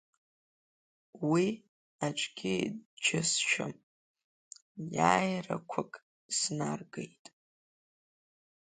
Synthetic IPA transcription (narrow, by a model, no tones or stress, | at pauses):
wi | at͡ʃʷʼɡʲɪdd͡ʒʰɪsʃᶣa̰m | jaːjra̰kʷʰʊkʼ | snarɡejtʼ